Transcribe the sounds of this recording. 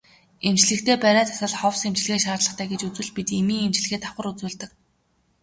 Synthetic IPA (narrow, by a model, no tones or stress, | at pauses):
emt͡ɕɮɘ̆kt̪ʰeːpæɾaːt̪ʰḁsə̆ɮχɔwsemt͡ɕɮxeːʃaːrɮə̆χt̪ʰæːɡet͡ɕut͡swɘ̆ɮpit̪emiːŋemt͡ɕɮɘ̆xeːt̪aχə̆rut͡suːɮt̪ɘ̆k̚